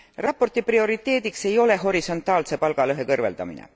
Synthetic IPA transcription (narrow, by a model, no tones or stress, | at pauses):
rɑpːo̞rt̪iprio̞ɾit̪ːˑe̞ːd̪ikse̞jo̞le̞ɦo̞ɾiso̞nt̪ːˑɑːlse̞pɑlɡ̥ɑlɤɦe̞kɤrve̞ld̪̥ɑ̰mḭnḛ